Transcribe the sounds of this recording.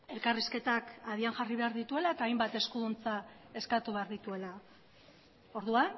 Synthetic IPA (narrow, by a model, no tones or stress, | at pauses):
e̞lkariske̞t̪akað̞iaŋʝariβe̞aɾðit̪ue̞laet̪aːjmbat̪e̞skuðunt͡sae̞skat̪uβe̞aɾðit̪ue̞la | o̞ɾðuan